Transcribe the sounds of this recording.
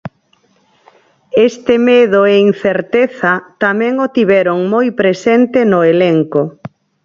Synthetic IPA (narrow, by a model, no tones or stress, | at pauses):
est̪ɪmeðoein̟θeɾt̪eθat̪amɛ̃ŋot̪iβɛɾoŋmojpɾesent̪enoeleŋko